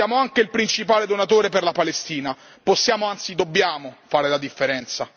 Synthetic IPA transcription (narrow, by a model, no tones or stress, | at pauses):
jaːmoaŋkeilpɾint͡ʃipaːled̪onat̪oːɾeperlapalest̪iːna | posːjaːmoant̪sid̪obːjaːmofaːɾelad̪ifːeɾɛnt̪sa